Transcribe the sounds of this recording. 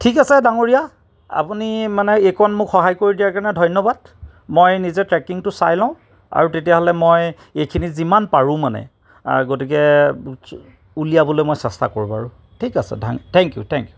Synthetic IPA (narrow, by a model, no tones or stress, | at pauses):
tʰikasɛdaŋoɹija | a̰punimanɛekʰɔnmʊkxɔɦajkoɹidiaɹkaɹnɛdʱɔjnɔbad | mojnizɛtɹɛkiŋtʊsa̰jlãʊ̃ | a̰ɹutetijaɦɔlɛmoj | ejkʰinizimanpaɹʊ̃manɛ̰ | ɡotik̬ɛ | ulijabɔlojmojsɛsta̰koɹiba̰ɹʊ̃ | tʰikasɛ̰dʱaŋtʰɛŋkjṵtʰɛŋkju